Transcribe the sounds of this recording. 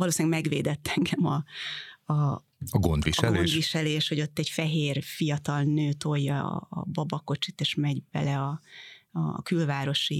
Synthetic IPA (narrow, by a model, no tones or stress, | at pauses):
vɒloːsinɛɡmɛɡʋḛːd̪ɛt̪ːɛŋɡɛmɒ | ɒ | ɒɡo̞nd̪ʋiʃɛɡleoːdʃʋiʃɛleːʃho̞ɟo̞t̪ːɛɟfɛɦeːrfijɒt̪ɒlnøːt̪o̞jːɒ̰ːbɒbɒko̞t͡ʃit̪eːʃmɛɟbɛ̰lɛɒɒ̰kylvaːɾo̞ʃi